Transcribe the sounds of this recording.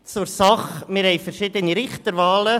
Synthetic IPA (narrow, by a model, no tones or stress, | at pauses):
t͡sʊɾsɑχmɪɾhɛɪfəɾʃɪd̪əniɾɪχt̪əɾʋɑːlə